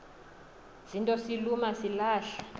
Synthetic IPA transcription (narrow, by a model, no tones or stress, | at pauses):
zintʼɔsilumasilaːʃḁ